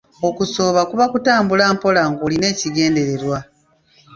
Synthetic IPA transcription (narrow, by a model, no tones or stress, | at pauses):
o̞kuso̞ːβakuβakutaːmbulaːmpo̞laːŋɡoːline̞ːciɡe̞ːnde̞ɾe̞ɾwa